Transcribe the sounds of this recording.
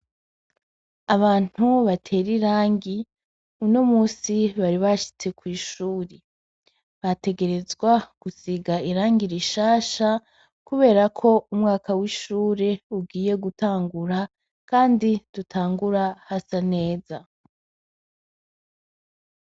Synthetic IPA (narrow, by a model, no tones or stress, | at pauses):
aβaːn̥huβatʰe̞ɾiɾaːŋɡi | uno̞muːsiβaɾiβaʃi̥t͡se̞kwiːʃuːɾe | βate̞ɡe̞ɾe̞zɡwaɡ̥usiɡaiɾaːŋɡiɾiʃaːʃa | kuβe̞ːɾakʰo̞umŋaːkawiːʃuːɾe̞uɡiːje̞ɡutaːŋɡuɾa | kaːnditutʰaːŋɡuɾahasane̞ːza